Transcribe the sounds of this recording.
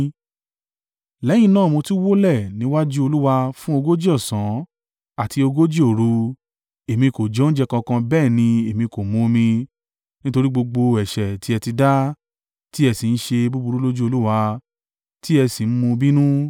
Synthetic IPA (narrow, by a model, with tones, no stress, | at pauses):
lɛ˨˦j̃ĩ˧nãː˦˨mõ˧ti˦wo˦lɛ˦˨nĩ˨˧˦wa˦d͡ʒu˦o˧lu˦wa˧fũ˦o˧ɡo˦d͡ʒi˦ɔ˦˨sã˨˦ | a˦˨ti˧o˧ɡo˦d͡ʒi˦o˨ɾu˧ | e˨mĩ˧ko˨d͡ʒɔ̃˨˦n̩˦d͡ʒɛ˧kã˧kã˧bɛː˦˨nĩ˧e˨mĩ˧ko˨mõ˨˧mĩ˧ | nĩ˦to˧ɾi˦ɡ͡bo˧ɡ͡bo˧ɛ˨ʃɛ˨ti˨˦ɛ˧ti˧da˦ | ti˦ɛ˧si˨n̩˦ʃe˧bu˦bu˧ɾu˦lo˦d͡ʒu˦o˧lu˦wa˧ | ti˦ɛ˧si˨n̩˦mũ˧bi˦nũ˦